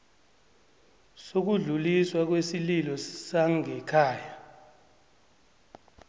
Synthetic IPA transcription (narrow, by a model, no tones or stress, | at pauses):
sok̬uɮuliswak̬wesililɔsaŋɛkʰaːja